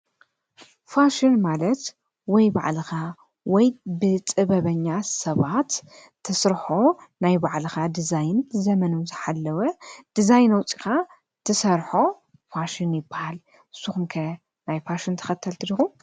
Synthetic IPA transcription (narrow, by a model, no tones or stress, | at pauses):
faʃinmalɐt̪ | wɔjba̰ʕlɨxa | wɔjbɨt͡sʼɨβɐβɐɲːasɐβat̪ʰː | ɐsɾħonajbaʕlɨxad̪izajnzɐmɐnuzɨħalːɐwɐd̪̥izajnɐwt͡sʼi̥xa | t̪ʰɨsɐɾħo̞ | faʃinjɪbːahal | ʔɨsuxumkʰɐ | najfaʃint̪ʰɐ̥xɐt̪ʰːɐlt̪ʰɨlixum